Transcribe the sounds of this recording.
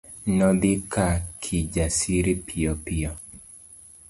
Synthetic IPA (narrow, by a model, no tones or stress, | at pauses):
nɔd̪ɪkakʰid͡ʒasiɾipʰiɔpiɔ